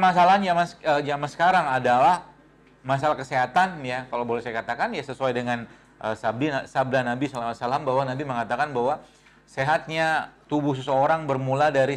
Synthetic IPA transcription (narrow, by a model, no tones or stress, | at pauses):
mas̬alaɦand͡ʒamanəd͡ʒamansə̥kaɾaŋadalah | masalahkəseɦat̪anjakalowbolɛhsajakat̪akanjasəsuajdəŋan | ʔəsab̚dinasab̚dahnabisalamat̪salambaɦwanabiməŋat̪akanbaɦwa | seɦat̪̚ɲat̪ubʊhs̬əsəoɾaŋbərmuladaɾi